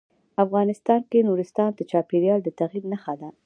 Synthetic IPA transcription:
afɣɑnɪst̪ɑnkenuɾɪst̪ɑnd̪ət͡ʃɑpeɾjɑld̪ət̪aɣiɾnaxad̪a

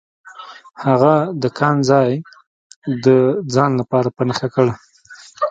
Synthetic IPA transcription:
haɣad̪əkʰɑnzɑj | d̪əd͡zɑnlapɑɾapənaxakəɽa

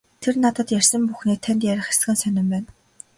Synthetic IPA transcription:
t̪ʰernat̪ə̆t̪jærʲsə̆mpuxneːt̪ʰænt̪jæɾʲə̆χe̥s̆ɘ̆nsœnɪ̆mpæːn

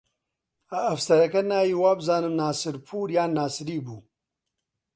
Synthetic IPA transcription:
aːfsɐɾɐkɐnaːjiwaːbzaːnɨmnaːsɨɾpʰuːɾjaːnaːsɾiːbuː

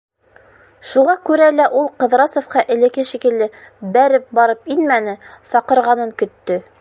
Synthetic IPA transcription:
ʃuʁɑkʉɾælæʔulˠqɤ̆ðɾɑsŏfqɑʔɘ̆lɘ̆kɘʃikɘ̆lːɘ | bæɾɘp̚bɑɾɤpinmænɘsɑqɤ̆ɾʁɑnɤŋkɵ̆t̪ːɵ

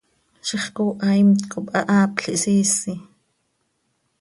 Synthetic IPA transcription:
ʃiχkuːʔaimt̪kʼoɓʔaʔaːpɬiʔsiːsi

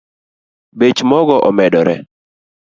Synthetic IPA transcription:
bet͡ʃmɔɡɔʔɔmɛdɔɾɛ̰

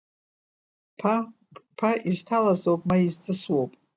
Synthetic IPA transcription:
pʰa | pʰaʔiztʰalazowpʼmaizt͡sʼɨswowpʼ

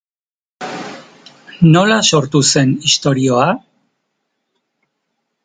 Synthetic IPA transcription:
no̞laso̞ɾt̪use̞nist̪o̞ɾio̞a

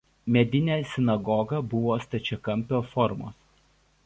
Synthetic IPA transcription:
mʲɛd̪ʲɪnʲæːsʲɪnɐɡɔɡɐbʊʋoːst̪ɐt͡ʃʲɛkɐmʲpʲoːfɔɾmo̰ːs

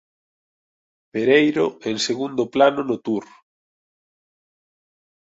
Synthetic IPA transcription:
beɾejɾoeŋseɣund̪ʊplanʊnʊt̪uɾ

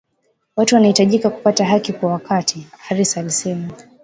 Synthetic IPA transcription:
watuwanahitaʄikaku̥pataɦakikwawakʰatʰihaɾisaːlisɛma

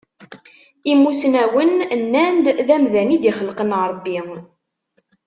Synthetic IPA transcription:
imusnæwənnːænd̪ðæmðænid̪iχəlqənɾˤbːi

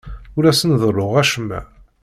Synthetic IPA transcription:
ʊɾæsənðˤrˤːoʁæʃəmːæ̰

